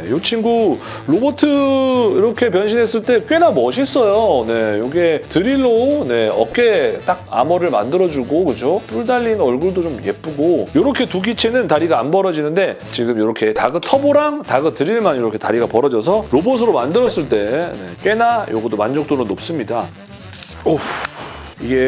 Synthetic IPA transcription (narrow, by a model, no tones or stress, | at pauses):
nejot͡ɕʰinɡu | ɾobotʰɯiɾʌkʰe̞pjʌnɕʰinɦe̞s͈ɯɭt͈e̞k͈ɥe̞namʌɕʰis͈ʌjone̞joɡetɯɾiɭːone̞ʌ̰k͈e̞t͈ak̚a̰mʌɾɯɭma̰ndɯɾʌd͡ʑuɡokɯd͡ʑop͈uɭdaʎːinʌɭɡuɭdot͡ɕomje̞p͈ɯɡojoɾʌkʰe̞tuɡit͡ɕʰe̞nɯntaɾiɡaːnbʌɾʌd͡ʑinɯnde̞t͡ɕiɡɯmjoɾʌkʰe̞ta̰ɡɯtʰʌboɾaŋtaɡɯtɯɾiɭmanjoɾʌkʰe̞taɾiɡapʌɾʌd͡ʑʌs̬ʰʌɾobosʰɯɾomandɯɾʌs͈ɯɭt͈e̞ne̞̰k͈ɥe̞najo̰ɡʌdomand͡ʑʌk̚t͈onɯnːop̚s͈ɯmɲida | o | iɡe̞